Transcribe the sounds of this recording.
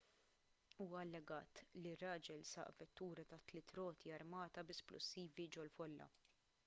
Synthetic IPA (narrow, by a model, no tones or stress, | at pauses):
uːwɐɐlːɛɡɐ̰ːt̪lirːɐːd͡ʒɛlsɐ̰ʔvɛt̪ːuːɾɐt̪ɐt̪ːlɪt̪ɾɔːt̪ʰiɐɾmɐːt̪ɐbɪsplʔʊ̰sːiːvid͡ʒɔlfɔlːɐ̰